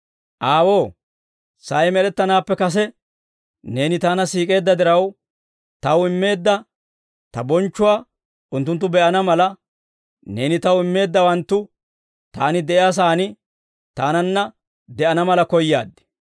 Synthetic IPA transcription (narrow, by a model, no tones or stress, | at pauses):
ʔaːwo̞ː | sɐjmɛɗɛt̪ːɐnaːpːɛkɐs̬ɛ | ne̞ːnɪt̪aːnɐsiːkʼe̞ːd̪ːɐd̪ɪɾɐw | t̪ɐwɪmːe̞ːd̪ːɐ | t̪ɐbɔnt͡ʃːʊwaː | ʔʊnt̪ːʊnt̪ːʊbɛʔɐnɐmɐlɐ | ne̞ːnɪt̪ɐwɪmːe̞ːd̪ːɐwɐnt̪ːʊ | t̪aːnɪd̪ɛʔɪjaːs̬aːnɪ | t̪aːnɐnːɐ | d̪ɛʔɐnɐmɐlɐkɔjːa̰ːd̪ːɛ̥